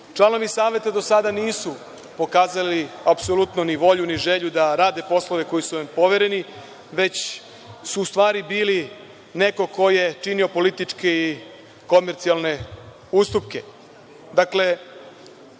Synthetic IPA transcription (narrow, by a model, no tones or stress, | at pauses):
t͡ʂlˠano̞ʋisaːʋjet̪ad̪o̞sad̪aniːsu | po̞kaːzaliapsolut̪noniʋo̞ʎuniʒe̞ʎud̪aɾaːd̪e̞po̞slˠo̞ʋe̞ko̞jisuʋampo̞ʋe̞ɾe̞ni | ʋe̞t͡ɕ | suːst̪ʋaːɾibiːli | ne̞ko̞ko̞je̞t͡ʃinio̞po̞lit̪it͡ʂke̞i | ko̞meɾt̪sialˠne̞ | ust̪upke̞ | d̪akle̞